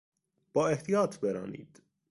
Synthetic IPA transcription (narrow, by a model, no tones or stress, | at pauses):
b̥ɒːeht̪ijɒːt̪ʰbeɾɒ̰ːnḭːd̪̥